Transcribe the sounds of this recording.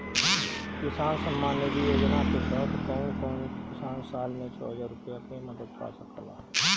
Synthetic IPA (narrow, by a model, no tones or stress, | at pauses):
kɪsaːnsəmːaːnːed̪ied͡ʒənaːkesət̪ʰkənkənkɪsaːnsaːlmẽt͡ʃʰɔ̰ːɦəzaːɾʊpjakemɐd̪əd̪̚pa̰səkəla̰